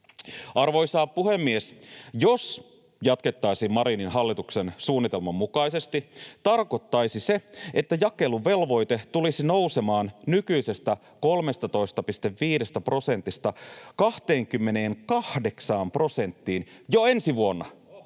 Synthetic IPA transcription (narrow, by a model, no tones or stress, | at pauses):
ɑrʋo̞ijsɑːppːuhe̞mːiesjo̞s | jɑt̪ke̞t̪ːɑjsiːmmɑɾininɦɑlːit̪ukse̞nsuːnːit̪e̞lmɑmːukɑjse̞st̪it̪ɑrko̞t̪ːɑjsise̞et̪ːæjɑkːe̞luʋe̞lʋo̞jt̪e̞t̪ulisino̞wse̞mɑːnnykyise̞st̪æ | ko̞lme̞st̪ɑt̪o̞ist̪ɑpist̪e̞ʋːiːde̞st̪æpro̞se̞nt̪ːist̪ɑkɑht̪eːŋkymːene̞ːnkɑhde̞ksɑːmpro̞se̞nt̪ːiːnjo̞ensiʋuo̞nːɑ